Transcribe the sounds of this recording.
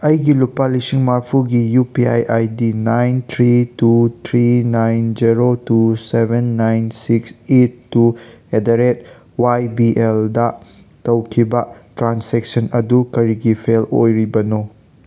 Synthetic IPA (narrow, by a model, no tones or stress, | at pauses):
ɐjɡilupalisiŋmaɾpʰuɡijupiajʔajdinajnt̪ʰɾitut̪ʰɾinajnd͡ʒiɾotusebʱenːajnsiksetːuedaɾet̚ | wajbiʔeldɐ | tɐwkʰibɐtɾansɛk̚sɐnɐdukɐɾiɡipʰelo̰jɾibɐno